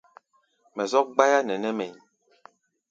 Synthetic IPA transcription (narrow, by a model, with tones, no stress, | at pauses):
mɛ˨zɔ˦k̚ɡ͡ba˦ja˦nɛ˨nɛ˦mɛ˨ɲ